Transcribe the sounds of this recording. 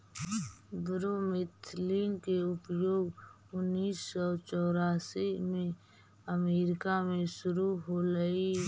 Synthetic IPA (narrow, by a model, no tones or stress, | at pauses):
bɾumɪt̪ʰliːnkeʊpjoːɡ | ʊnːiːsːɔt͡ʃɔːɾaːsimẽ | əmeːɾɪkamẽʃʊɾuɦoləi